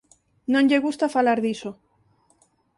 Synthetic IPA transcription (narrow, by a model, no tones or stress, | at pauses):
nõnʎeɣust̪afalaɾðiso